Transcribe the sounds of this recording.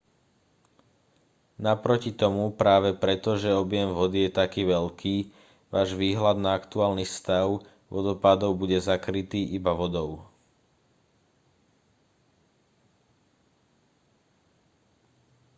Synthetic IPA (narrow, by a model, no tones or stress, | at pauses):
napɾɔcit̪ɔmupɾaːʋɛpɾɛt̪ɔʒɛɔbɪjɛmʋɔd̪ijɛt̪akiːʋɛʎkʰiː | ʋaːʒʋiːɦlad̪naakt̪uaːlnifst̪aʊ | ʋɔd̪ɔpaːd̪ɔʊbuɟɛzakɾit̪iːʔibaʋɔd̪ɔʊ